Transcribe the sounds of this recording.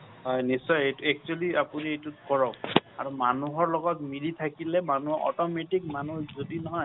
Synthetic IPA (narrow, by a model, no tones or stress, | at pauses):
ɦɔjnisːɔjejtuɛk̚t͡ʃualiapuniejtutkɔɹɔka̰ɹumanuɦɔɹlɔɡɔtmiditʰakilɛmanuɔɔ̰tɔmɛtikmanuzodinɔɦɔj